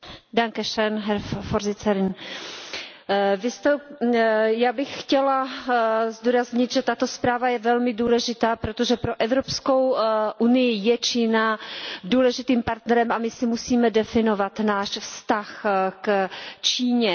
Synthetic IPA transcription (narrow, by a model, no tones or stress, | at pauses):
daŋkɛʃɛnɦɛɾfoɾzɪt͡sɛɾɪn | vɪst̪ɛ | jaːbɪxxcɛla | zd̪uːɾazɲɪt̪ʒɛt̪at̪o̞spɾaːvajɛvɛlmɪduːlɛʒɪt̪aːpɾot̪oʒɛpɾo̞ʔɛvɾopsko̞wʔunɪjɪjɛt͡ʃiːnaduːlɛʒɪt̪iːmpaɾt̪nɛɾɛmʔamɪsɪmusiːmɛdɛfɪno̞vat̪naːʃfst̪axkt͡ʃiːɲɛ